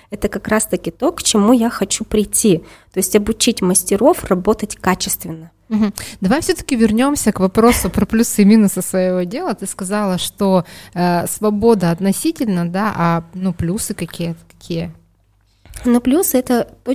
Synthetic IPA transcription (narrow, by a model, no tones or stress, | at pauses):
ɛt̪əkɐkɾast̪əkʲɪt̪o̞kt͡ɕɪmujaxɐt͡ɕupɾʲɪjtʲːit̪o̞jɪsʲtʲɐbʊt͡ɕitʲməsʲtʲɪɾo̞frɐbo̞t̪ətʲkat͡ɕɪst̪vʲɪnːə | m̩ɦm̩d̪ɐvajfsʲot̪ə̥kʲɪvʲɪrnʲo̞msʲəkvɐpɾo̞sʊpɾɐplʲusɨmʲinʊsəsvəjɪvodʲe̞lˠət̪ɨskɐzalˠəʂt̪oəsvɐbo̞d̪əɐt̪nɐsʲitʲɪlʲnəd̪aʔɐnuplʲusɨkɐkʲijət̪ə̥k̪ɐ̥kʲijə | noplʲusɨɛt̪ət̪o